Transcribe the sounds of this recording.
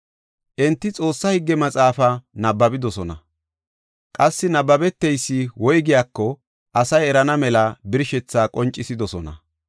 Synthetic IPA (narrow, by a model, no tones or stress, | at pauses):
ʔɛnt̪ːɪt͡sʼo̞ːsːɐhɪɡːɛmɐt͡sʼaːfɐnɐbːɐbɪd̪ɔsɔnɐ | kʼɐsːɪnɐbːɐbɛt̪ːɛjsːɪwɔjɡɪjaːkːɔ | ʔɐsɐjɛɾɐnɐmɛlɐbɪɾʃɛt͡sːaːkʼɔnt͡ʃʼːɪsɪd̪ɔsɔnɐ̰